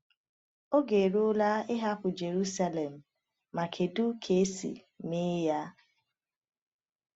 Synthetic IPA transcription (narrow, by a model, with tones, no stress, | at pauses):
o˦ɡe˨ɾo˦la˦ɪ˦ɦa˦pʊ˨d͡ʒe˨ɾu˦sa˦le˨m̩ː˨ | a˨kʰe˨du˦kʰe˨˦sḭ˨ | me˦ja˦